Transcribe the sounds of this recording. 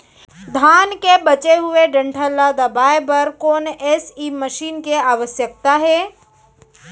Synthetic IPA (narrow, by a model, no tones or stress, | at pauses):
d̪ʱaːnkebɐt͡ʃeɦʊeɖə̃ɳʈʰəlːad̪ɐbaːepɐɾkoːnɛːsiməʃiːnkeaːʋəsjək̚t̪aɦɛː